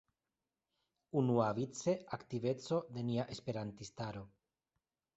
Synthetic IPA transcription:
unuavit͡se̞akt̪ive̞t͡so̞d̪e̞niaʔe̞spe̞ɾant̪ist̪aɾo̞

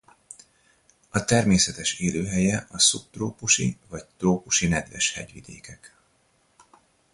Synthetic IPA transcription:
ɒt̪ɛrmeːsɛt̪ɛʃeːløːɦɛjɛʔɒsup̚t̪roːpuʃḭvɒc̚t̪roːpuʃinɛd̪vɛ̰ʃhɛ̰ɟʋḭd̪eːkɛk

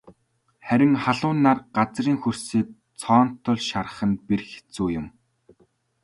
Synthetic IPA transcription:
χæɾʲɪ̆ŋχaɮʊːnːarɢat͡sriːŋxɵrsiːk̚ | t͡sʰɔːn̥t̪ʰːʊ̆ɮʃar̆χə̆nperxe̥t͡suːjʊ̆m

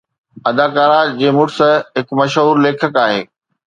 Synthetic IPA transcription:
ɐd̪aːkaːɾad͡ʑeːmʊʈsɦɪkmɐʃɦuːɾleːkʰəkaːɦeː

